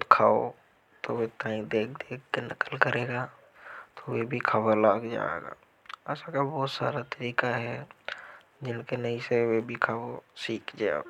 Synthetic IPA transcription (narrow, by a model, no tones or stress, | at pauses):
t̪kʰaːo̰ | t̪owet̪aːĩd̪eːk̚ʰd̪eːk̚kenəkəlkəɾeːɡa | t̪owebʱikʰaːbalaːɡd͡ʒa̰ːḛɡa̰ː | ɛːsakabɔːt̪sa̰ːɾat̪əɾiːkaɦɛ | d͡ʒɪnkenəɦĩsewebʱikʰaːwosiːkd͡ʒa̰